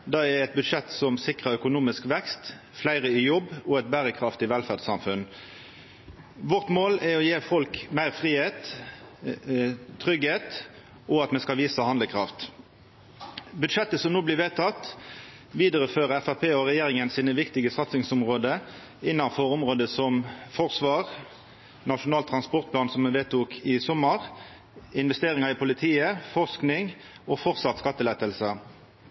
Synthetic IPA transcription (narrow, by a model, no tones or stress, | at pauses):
d̪ɑɛɛt̪̚bʉd̪ʂɛt̪sɔmsɪkʁəœkʊnuːmɪskʋɛkst̪ | flæɪʁəɪjɔbːɔɛt̪̚bæːʁəkʰʁɑft̪ɪʋɛlfæʁd̪sɑmfʉn | ʋɔʁt̪moːlɛʁɔjeːfɔlkmæɪʁfʁiːheːt̪ | t̪ʰʁʏɡheːt̪ | ɔɑt̪mɛskɑlʋiːsəhɑnd̪əkʰʁɑft̪ | bʉd̪ʂɛt̪ːəsɔmnuːblɪʋeːt̪ʰɑt̪ː | ʋiːd̪əɾəføːʁəɛfæʁpʰeːɔʁɛjeːʁɪŋənsiːnəʋɪkt̪ɪɡəsɑt̪sɪŋsɔmʁoːd̪ə | ɪnːɑnfɔɾɔmʁoːd̪əsɔmfɔʁsʋɑːʁ | nɑʂʊnɑːlt̪ʰʁɑnspɔʁt̪̚pʰlɑːnsɔmːɛʋeːt̪uːkʰɪsɔmːəʁ | ɪnʋɛst̪eːʁɪŋɑʁɪpʰʊlɪt̪ʰiːəfɔʁsknɪŋ | ɔfɔʁt̪sɑt̪skɑt̪ːəlɛːt̪əlsə